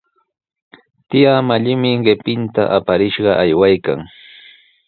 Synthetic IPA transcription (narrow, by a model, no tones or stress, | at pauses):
t̪ɪjamaʎɪmɪɢɪpɪnt̪a̰ʔapaɾɪʃɢɑʔajwajka̰ŋ